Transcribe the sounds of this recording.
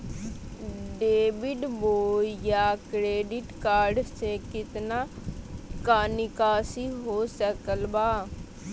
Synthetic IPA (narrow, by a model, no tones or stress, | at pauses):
ɖeːbɪɖboːjakɾeːɖɪʈkaːɾɖsekɪt̪na | kaːnɪkaːsiɦoːsəkəlbaː